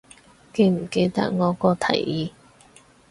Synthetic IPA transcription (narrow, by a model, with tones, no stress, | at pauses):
ke˨˧jm̩˨˩ke˧jt̪ɐ̰˥k̚ŋɔː˨˧kɔː˧t̪ʰɐ̰˨˩jjiː˨˧